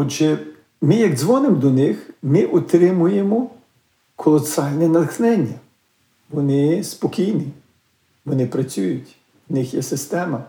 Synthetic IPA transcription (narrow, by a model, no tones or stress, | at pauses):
ɔd͡ʒɛ | mɪjɐɡ̪zʋɔnemd̪ɔnɪxmɪʔɔt̪ɾɪmʊjemɔ | kʰɔlˠɔsɑlʲnɛnɐlxnɛnʲːɐ | ʋɔnɪspɔkʲijni | ʋɔnɪpɾɐt͡sʲujʊtʲ | nɪxjɛsɪst̪ɛmɐ